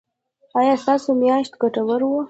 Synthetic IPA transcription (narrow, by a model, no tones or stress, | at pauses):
ɑjɑst̪ɑsomjɑʃt̪ɡaʈawəɾwo